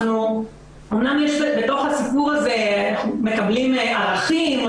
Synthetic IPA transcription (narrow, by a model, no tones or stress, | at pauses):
nu | omnamjeʃbe̞t̪o̞χhasipuʁaze̞anaχnume̞kablimaʁaχim